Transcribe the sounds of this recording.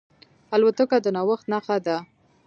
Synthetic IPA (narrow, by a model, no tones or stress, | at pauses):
alwat̪əkad̪ənawəxt̪naxad̪a